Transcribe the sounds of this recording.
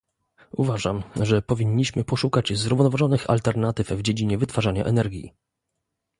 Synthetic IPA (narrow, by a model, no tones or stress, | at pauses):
uvaʐamʐɛpɔvʲiɲːiɕmɘpɔʂukad͡ʑzɾuvnɔvaʐɔnɘxa̰lt̪ɛɾnat̪ɘfvd͡ʑed͡ʑiɲɛvɘt̪faʐaɲa̰ʔɛnɛɾɡʲjḭ